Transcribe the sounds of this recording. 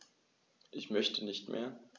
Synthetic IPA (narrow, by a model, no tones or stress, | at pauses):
ʔɪçmœçtʰənɪçtmʔḛːɐ